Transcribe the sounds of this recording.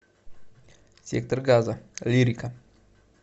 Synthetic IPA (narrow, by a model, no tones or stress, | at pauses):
sʲek̚t̪orɡazaliɾika